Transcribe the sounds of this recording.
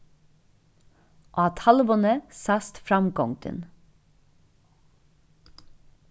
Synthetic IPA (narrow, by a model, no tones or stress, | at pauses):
ʔoːɑt̪ʰhɑləʋɔnəsɑst̪fɾɑmkɔŋt̪ə̰n